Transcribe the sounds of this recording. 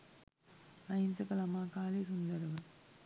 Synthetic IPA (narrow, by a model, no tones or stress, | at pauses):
ɐjint͡ʃɐkɐlɐmaːkaːliːs̬und̪ɐɾuɡɐ